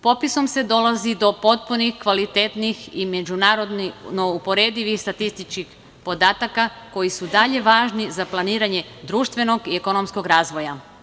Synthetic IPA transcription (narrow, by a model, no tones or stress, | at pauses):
po̞piso̞mse̞d̪o̞lˠazid̪o̞po̞t̪̚punixkʋalit̪eːt̪nixime̞d͡ʒunaːɾo̞d̪nino̞upo̞ɾe̞ːd̪iʋixst̪at̪ist̪it͡ʃkix | po̞d̪aːt̪akako̞jisud̪aʎe̞ʋaːʒnizaplˠaniːɾaɲe̞d̪ɾuːʃt̪ʋe̞no̞ɡieko̞no̞msko̞ɡɾaːzʋo̞ja